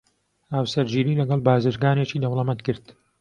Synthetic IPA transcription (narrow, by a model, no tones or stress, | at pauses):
haːwsɐɾd͡ʒiːɾiːlɐɡɐlˠbaːzɨɾɡaːnet͡ʃiːd̪ɐwlˠɐmɐt̪̚kɨɾt̪